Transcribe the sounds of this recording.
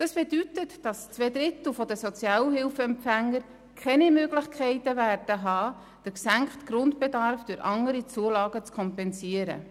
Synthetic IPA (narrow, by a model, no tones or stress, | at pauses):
d̥ɑsb̥edytətd̥ɑst͡sʋɛdɾɪt̪l̩fɔdəsɔt͡sjɑːləɦɪlfəɛmpfæŋːəɾ | kʰɛnimøɡlɪχkʰɛɪtəvæːrd̥əɦɑː | d̥əɾksæŋkχtɡ̥ɾʊntb̥edɑɾfd̥øɾʔɑŋəɾit͡suəlɑːɡət͡skʰɔmpɛnsiəɾə̰